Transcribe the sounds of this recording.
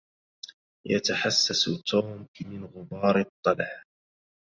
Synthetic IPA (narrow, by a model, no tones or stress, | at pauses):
ja̰t̪aħasːast̪ʰuːmmɪnɣʊbɑːɾt̪ˤːɑlaħ